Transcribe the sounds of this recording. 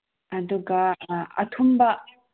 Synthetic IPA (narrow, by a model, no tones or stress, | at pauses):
ɐd̪uɡɐɐ̰t̪ʰumbɐ